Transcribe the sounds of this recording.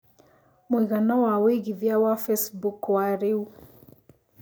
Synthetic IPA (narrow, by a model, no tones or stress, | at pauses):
mwiɣanawawiɣivjawafɛsbukwaɾiu